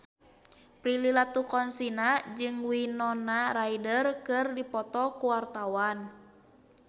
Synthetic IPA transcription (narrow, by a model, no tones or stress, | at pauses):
pɾililat̪ukɔnsinad͡ʒɨŋwinɔnaɾaidərkɨrdipɔt̪ɔkuwart̪awan